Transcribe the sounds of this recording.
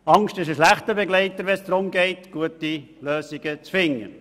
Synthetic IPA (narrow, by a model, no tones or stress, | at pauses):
ɑŋstɪʃəʃlæχtəbɛɡlɛɪtəɾʋɛnsd̥̪ɾʊmɡeɪtɡ̥uəti | løːsiɡ̥ət͡sfɪŋːə̰